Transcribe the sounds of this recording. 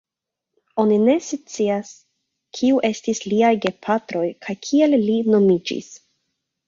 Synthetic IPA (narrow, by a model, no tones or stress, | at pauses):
o̞nine̞st͡sias | kʰiuʔe̞stisliajɡe̞pʰatɾo̞jkʰajkʰie̞lːino̞mid͡ʒḭs